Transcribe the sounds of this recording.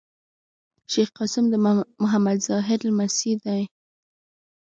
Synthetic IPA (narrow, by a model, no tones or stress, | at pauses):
ʃexqɑsɪmd̪əmʊɦamad̪zɑɦɪɾlmasid̪aj